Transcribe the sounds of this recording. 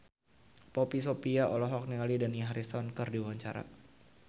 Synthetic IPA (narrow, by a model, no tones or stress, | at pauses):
pɔpis̬opiaʔɔlɔɦɔk̚nialidanjaɦaɾisɔnkɨrdiwaɲt͡ʃa̰ɾa̰